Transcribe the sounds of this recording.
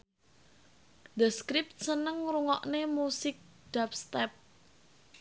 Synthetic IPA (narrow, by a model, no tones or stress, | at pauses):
d̪əskɾɪp̚t̪̚sənəŋɾuŋɔʔnemusɪk̚d̥apst̪ɛp̚